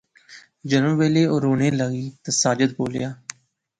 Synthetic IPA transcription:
d͡ʒənõːʋeːleːoːɾoːneːləɡiːt̪aːsaːd͡ʒəd̪̚bo̰ːlɪ̰jaː

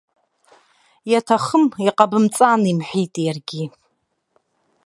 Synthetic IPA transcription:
jatʰaχəmiqʼabɨmt͡sʼanimħʷᶣitʼjarɡʲi

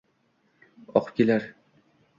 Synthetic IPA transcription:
ɒqʰɤ̥p̚kʲelæɾ

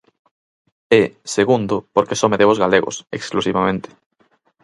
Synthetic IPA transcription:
eseɣund̪ʊpoɾkesɔmeðeβozɣaleɣo̰sḛksklusiβamẽnt̪ɪ̥

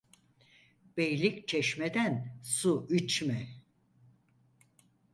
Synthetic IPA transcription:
b̥ejlʲikt͡ʃʰɛʃmed̪ænsuyt͡ʃmɛ

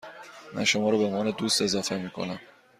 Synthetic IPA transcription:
mæ̰nʃomɒːɾɔbemɒːned̪ust̪ezɒːfemiːkʰo̰næm

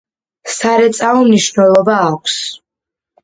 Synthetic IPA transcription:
saɾɛt̪sʼaɔmniʃnɛlˠɔbaːkʷʰs

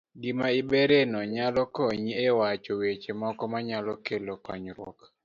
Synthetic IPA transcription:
ɡɪmaɪbeɾenɔɲalɔkɔɲewat͡ʃɔwet͡ʃemɔkɔmaɲalɔkelokɔ̰ɲɾɔ̰k

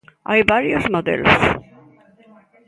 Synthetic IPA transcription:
a̰jbaɾiosmod̪ḛlo̰s

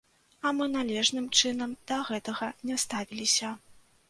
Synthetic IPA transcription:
ɐmɨnalʲɛʐnɨmt͡ʂɨnɐmd̪̥ɐɣɛt̪ɐɣɐnʲɛst̪avʲilʲisʲɐ

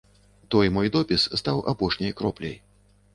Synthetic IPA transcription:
t̪ɔjmɔjd̪ɔpʲisːt̪awʔa̰pɔʂnʲɐjkɾɔplʲɐ̰j

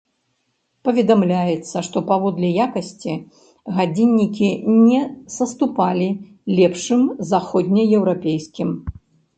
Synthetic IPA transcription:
pɐvʲɛd̪amlʲajɛt̪sːɐʂt̪ɔpavɔd̪lʲɛjakɐsʲt͡sʲi | ɣad͡zʲinʲːikʲinʲɛsɐst̪upalʲi | lʲɛpʂɨmzaxɔd̪ʲnʲɛjɛwɾapʲejskʲim

